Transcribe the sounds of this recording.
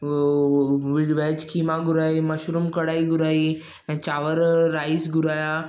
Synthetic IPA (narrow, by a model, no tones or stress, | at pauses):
ʋiɽʋed͡ʑkʰimaɡuɾaiməʃɾumkəɽaiɡuɾai | t͡ɕaʋəɾːaisɡuɾaja